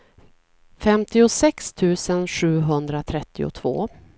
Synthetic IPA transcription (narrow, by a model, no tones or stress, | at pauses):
fɛmt̪ɪʊsɛkst̪ʰʉ̟ːsənɧʉ̟ːɦɵnd̪ɾat̪ʰɾɛt̪ːɪʊ̰t̪ʰv̥o̰ː